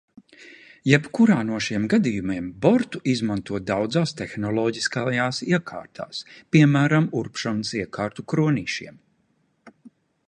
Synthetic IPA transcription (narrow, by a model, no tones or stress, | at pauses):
jɛpkuɾaːnuɔʃiɛmɡad̪ijumiɛmbɔɾt̪uʔizmant̪uɔd̪awd̪zaːst̪exnɔlˠɔːɟiskajaːsiɛkʰa̰ːɾt̪ʰa̰ːspiɛmæːɾamuɾpʃɔnsiɛkaːɾt̪ukɾuɔniːʃḭɛm